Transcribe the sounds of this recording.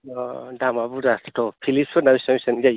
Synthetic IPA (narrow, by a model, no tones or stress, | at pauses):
ɔdamabudastɔpʰilipsɔnamisamisanida